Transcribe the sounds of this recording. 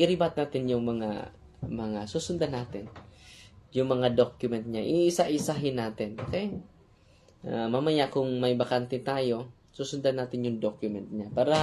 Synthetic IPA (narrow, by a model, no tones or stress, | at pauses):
ʔɪɾɪbat̪̚naːt̪ɪnjʊŋmɐŋa̰ | mɐŋasusʊnd̪anːaːt̪ɪn | jʊŋmɐŋad̪okjʊmɛnt̪̚ɲaʔiʔɪsaʔɪsaɦɪnːaːt̪ɪnboːkɛj | ʔamamɐjaʔkʊŋmɐjbɐkant̪ɛt̪aːjo̞ | suːsʊnd̪anaːt̪ɪnjʊŋd̪okjʊmɛnt̪̚ɲapaːɾɐ